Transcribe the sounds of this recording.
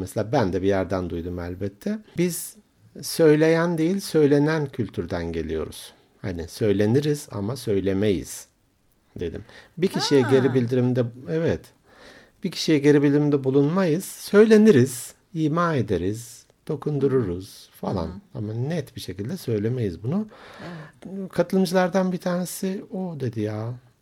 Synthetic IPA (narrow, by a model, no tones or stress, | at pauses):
mɛselʲaːbænd̪ɛbijæɾd̪ænd̪ujd̪umælʲbɛt̪ʰːɛbiz̥ | sø̞jlʲe̞jænd̪e̞jilʲsø̞jlʲe̞næncʰylʲt̪ʰyɾd̪ænɟe̞lʲijo̞̰ɾṵz̥ | ha̰nɪsø̞jlʲe̞niɾiz̥a̰masø̞jlʲe̞mejḭz̥ | d̪e̞d̪ḭmbicʰiʃijɛɟe̞ɾibilʲd̪iɾimd̪ɛɛvɛt̪ | b̥icʰi̥ʃijɛɟe̞ɾibilʲd̪iɾimd̪ɛbulˠunmajɯz̥sø̞jlʲe̞niɾiz̥ | iːmaːe̞d̪eɾiz̥ | d̪̥o̞kʰund̪uɾuɾuz̥falˠa̰namanɛt̪biʃe̞cilʲd̪ɛsø̞jlʲeme̞jizbunu | kʰat̪ʰɯlˠɯmd͡ʒɯlˠaɾd̪anbit̪ʰaːne̞siod̪e̞d̪ijaː